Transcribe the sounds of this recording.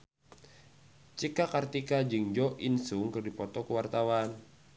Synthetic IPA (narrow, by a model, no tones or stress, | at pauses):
t͡ʃikakart̪ikad͡ʒɨŋd͡ʒɔʔinsuŋkɨrdipɔt̪ɔkəwart̪awan